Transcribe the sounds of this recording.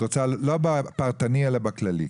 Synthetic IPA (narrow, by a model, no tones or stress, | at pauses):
ot͡salobapaʁt̪anielabaklalḭ